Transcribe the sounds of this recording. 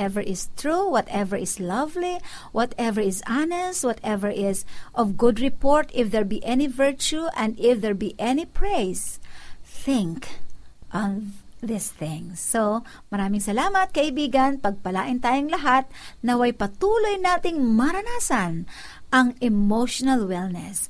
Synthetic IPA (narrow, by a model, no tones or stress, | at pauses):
ɛvɛɹʔɪst̪ɹuwɔt̪ɛvɛɹɪslɐvli | wɔt̪ɛvɛɹɪsanɛst̪̚wɔt̪ɛvɛɹʔɪsʔɔvɡʊd̪ɹɪpoɹt̪ɪfd̪ɛɹbiʔɛnivɛɹt͡ʃuʔɛ̃nd̪ɪfðɛɹbiʔɛnɪpɹejs | θɪ̃ŋkʔɔnðɪsθɪ̃ŋso | mɐɾaːmɪŋsɐlaːmɐt̪̚kɐʔɪbiːɡɐnpɐɡ̚pɐlaːʔɪnt̪aːjoŋlɐɦat̪̚nɐwɐjpɐt̪uːlojnaːt̪ɪŋmɐɾɐnaːsɐn | ʔɐŋʔɛmoʃonɐlwɛlnɛ̰s